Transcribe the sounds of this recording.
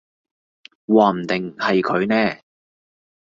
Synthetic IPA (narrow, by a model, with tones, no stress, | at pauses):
waː˨˧m̩˨˩t̪ɪ˨ŋhɐ˨jkʰɵ˨˧ɥnɛː˥˩